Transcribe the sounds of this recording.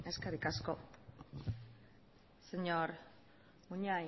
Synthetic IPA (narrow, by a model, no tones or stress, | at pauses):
eskeɾikasko̞ | seɲoɾ | muɲaj